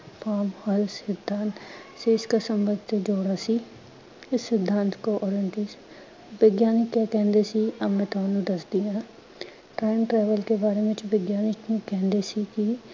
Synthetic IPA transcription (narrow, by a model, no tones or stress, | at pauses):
pʰaːmhəlsɪd̪ʱːaːnt̪seːɪskaːsəmbəd̪ʱt̪eːd͡ʒoːɽaːsiː | ɪsːɪd̪ʱːãːnt̪koːʔɔːɾənʈ̪iːs | ʋeːɡjaːnɪkːjaːkɛ̃ːnd̪eːsiːəmɛ̃ːt̪ãːnũːd̪əsd̪iːɦãː | ʈɾaːɪmʈɾɛːʋəlkeːbaːɾeːʋɪt͡ʃʋeːɡjaːnɪknũːkɛ̃ːnd̪eːsiːkɪ